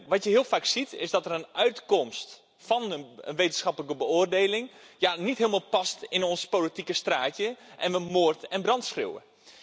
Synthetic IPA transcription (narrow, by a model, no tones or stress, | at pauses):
ʋɑtjəɦiəlˠfaːksitʰɪsdɔtərənœɥtkɔmst | fɔnənʋejtənsxɑpələkəbəʊərdeːlɪŋjanitɦɪəlˠmalˠpɑstɪnɔnspoːlitikəstraːtjəʔɛnʋəmoərtɛnbrɑntsxrḛwə̰